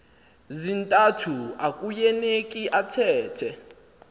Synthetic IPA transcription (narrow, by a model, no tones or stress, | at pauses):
zintʼatʰuakʼujɛnekʼiʔatʰɛːtʰɛ